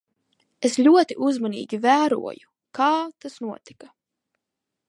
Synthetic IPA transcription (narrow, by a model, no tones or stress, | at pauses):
eslʲuɔt̪iʔuzmanḭːɡʲivæːɾṵɔ̰ju | kaːt̪asnuɔt̪i̥ka